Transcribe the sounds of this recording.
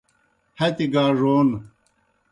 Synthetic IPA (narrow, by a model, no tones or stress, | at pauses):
hɐt̪iɡaːʐoːn